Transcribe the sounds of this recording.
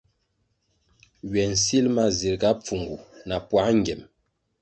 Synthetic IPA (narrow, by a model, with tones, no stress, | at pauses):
ɥɛ˨n̩˨si˦lma˦zi˨ɾɡa˨˦p͡fu˨ŋɡu˨na˨pwa˨˦ŋ˦ɡɛ˨m